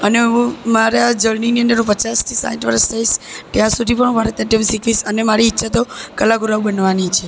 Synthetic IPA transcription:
ənemaɾad͡ʒəɭniniənd̪əɾnũpət͡ʃast̪ʰisa̰ɦiʈʋəɾəst̪ʰajʃt̪jãsud̪ʱipəɳbʱaɾət̪jaʈemsikʰʋisənemaɾiːtːʃʰat̪okəlaɡʱuɾaʋbənʋanit͡ʃʰe

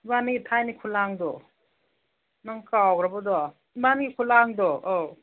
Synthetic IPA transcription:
banitʰajnikʰulaŋdɔ | naŋkawɡɾabɔdɔ | banɡikʰulaŋdɔɔ

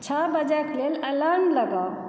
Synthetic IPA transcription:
t͡ʃʰabəd͡ʒakleləlanləɡaw

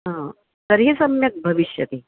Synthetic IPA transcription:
ɦã | t̪əɾɦiːsɐmjɐk̚bʱɐʋiɕjɐt̪iː

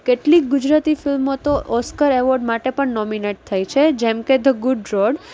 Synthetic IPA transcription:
keʈlik̚ɡud͡ʒɾat̪ifilmot̪oʔɔskəɾeʋɔɾɖmaʈepəɳnɔmineʈ̚t̪ʰajt͡ʃʰed͡ʒemked̪əɡʊɖɾɔɖ

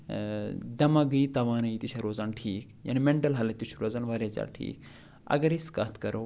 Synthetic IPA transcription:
d̪ɐmɐɡɨjt̪ɐʋaːnɐit̪it͡ʃʰɐɾoːzaːnʈʰiːkja̰nimeɳʈɐlɦɐlɐt̪it͡ʃʰuɾoːzaːnʋɐɾet͡sa̰ʈʰḭːk | ɐ̰ɡɐɾiskɐt̪ʰkɐɾo

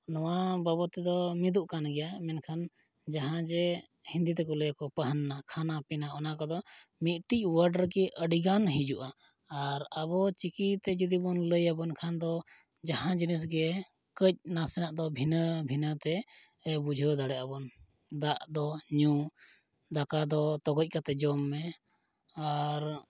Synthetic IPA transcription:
nɔwabəbɔt̪ɛd̪ɔmid̪uʔkanɡɛjamɛnkʰan | d͡ʒaɦãd͡ʒɛ | hind̪it̪ɛkɔləjakɔpəɦanːakʰanapɛnaʔɔnakɔd̪ɔ | mit̪̚ʈic̚wəɾɖəɾkɛʔəɖiɡanɦĩd͡ʒuʔaː | ɾabɔt͡ʃikit̪ɛd͡ʒud̪ibɔnləjabɔnkʰand̪ɔ | d͡ʒaɦãd͡ʒinis̬ɡɛ | kəc̚nasɛnaʔd̪ɔbʱinəbʱinət̪ɛ | bud͡ʒʱəd̪aɽɛʔabɔn | d̪aʔd̪ɔɲu | d̪akad̪ɔt̪ɔɡɔc̚ˀkat̪ɛd͡ʒɔmːɛ | aɾ

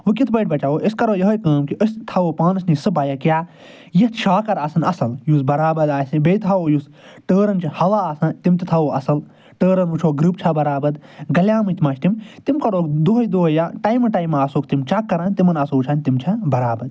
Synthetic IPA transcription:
ʋɨkit̪ʰbɐjʈ̚ʰbɐt͡ʃaːʋoːʔiskɐɾoːjɐɦɐjkaːmkiʔəsʲt̪ʰɐʋoːpãːnɨsnisɨbaːjɐkjaː | jɐt̪ʃʰaːkɐɾaːsɐnɐsɐljuːs̬bɐɾaːbɐd̪aːsibeːjt̪ʰaoːjus | ʈəːɾɐnt͡ʃʰhɐlaːsɐnt̪imt̪it̪ʰɐʋoːʔɐsɐl | ʈəːɾɐnʋut͡ʃʰoːɡɾɨpt͡ʃʰɐbɐɾaːbɐd̪ɡɐlʲjaːmɨt̪mɐt͡ʃʰʲt̪imt̪imkɐɾoːkd̪oːɦɐjd̪oːɦɐjaʈɐːjmɐʈaːjmaːsoːkt̪imt͡ʃʰɐkːɐɾanʲt̪imɐnɐsoːt͡ʃʰaːnʲt̪imt͡ʃʰɐbɐɾaːbɐd̪̚

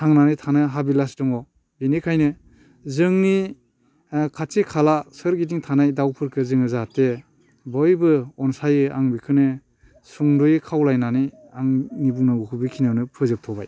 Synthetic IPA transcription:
tʰaŋnanɯjtʰanɯɦabilasdɔŋɔ | binikʰajnɯ | zɯŋni | kʰatikʰalasɯɾɡidiŋtʰanajdawpʰɯɾkʰɯzɯŋɯzate | bɔjbɯɔnsajɯa̰ŋbikʰɯnɯ | suŋdɔjɯkʰawlajnanij | aŋnibuŋnaukʰɯbikʰinɯnɯpʰɯzɯp̚tʰɔba̰j

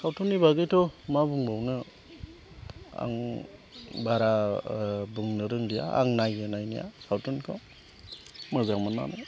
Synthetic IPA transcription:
sawtunibaɡɯjtʰɔmabuŋbɔwnɯ | a̰ŋ | baɾa | buŋnɯɾɯŋdija̰a̰ŋnajɡɯnajnija̰sawtunkʰɔ | mɯzaŋmɔnːa̰naj

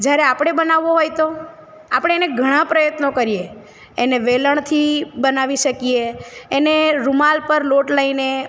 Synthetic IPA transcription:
d͡ʒjaɾeapɽ̃ebənaʋːoɦojt̪o | apɽ̃eeneɡʱəɽ̃ãpɾəjət̪nokəɾijeː | neʋeləɳ̃t̪ʰibənaʋiʃəkijeːneɾumalpəɾloʈləine

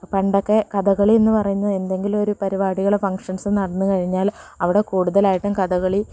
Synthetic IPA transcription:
pɐɳɖokːe̞kɐðɐɣɐɭienːɨpɐrɐjuɲːɐe̞nd̪e̞ŋɡilo̞ɾupɐɾibaːɽiɣɐɭefɐŋkʂɐnsɨnɐɽɐnːukɐɻiɲːaːlɐʋiɽe̞kuːɽuðɐlaːjiʈːumkɐðɐɣɐɭi

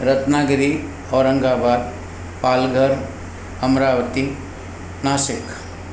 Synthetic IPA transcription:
ɾɐt̪naːɡɾi | ɔːɾɐ̃ŋɡaːbaːd̪̚ | paːlɡʱəɾ | ɐmɾaːʋət̪i | naːsɪk

